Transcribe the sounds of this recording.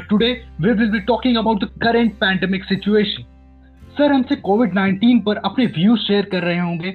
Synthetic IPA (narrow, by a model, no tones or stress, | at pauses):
ʈʊɖeːʋiʋɪlbiːʈɔːkɪ̃ŋɡɐbaːʊʈ̚d̪əkɐɾə̃ɳʈ̚pɛ̃ːɳɖɛmɪksɪt͡ʃueːʃə̃n | sɐɾɦɐmsekoːʋɪɖnãɪ̃ɳʈiːnpɐɾɐpneʋjuːzʃeːəɾkɐɾːɐɦeɦõːŋɡeː